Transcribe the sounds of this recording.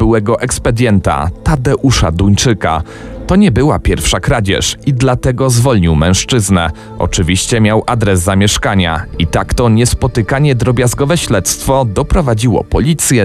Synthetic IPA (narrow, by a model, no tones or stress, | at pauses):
bɘwɛɡɔʔɛkspɛd̪ʲjɛnt̪a̰t̪ad̪ɛʔuʂa̰d̪uɲt͡ʂɘka̰ | t̪ɔɲɛbɘwapʲjɛɾfʂakɾad͡ʑɛ̰ʂid̪lat̪ɛɡɔzvɔlɲiwmɛ̰̃w̃ʂt͡ʂɘznɛ | ɔ̰t͡ʂɘvʲiɕt͡ɕɛmʲjawʔad̪ɾɛzːamʲjɛʂkaɲa̰it̪akt̪ɔɲɛspɔt̪ɘkaɲɛd̪ɾɔbʲjazɡɔvɛɕlɛt̪st̪fɔd̪ɔpɾɔvad͡ʑiwɔ̰pɔlʲit̪sʲjɛ